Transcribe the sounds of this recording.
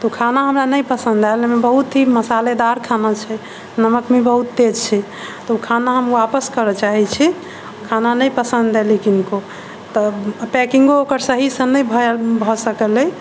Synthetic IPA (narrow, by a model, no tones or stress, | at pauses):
t̪ɔkʰanaɦəmɾanəjpəsə̃nd̪alemebəɦut̪ɦiməsaled̪aɾkʰanat͡ʃʰɛ | nəməkmebəɦut̪ːed͡ʒt͡ʃʰɛ | t̪ɔukʰanaɦəmwapəskəɾət͡ʃaɦɛt͡ʃʰi | kʰananəjpəsə̃nd̪elikinko | t̪ɔpɛkĩŋɡookəɾsəɦisə̃nəjbʱɔbʱɔsəkəlɛj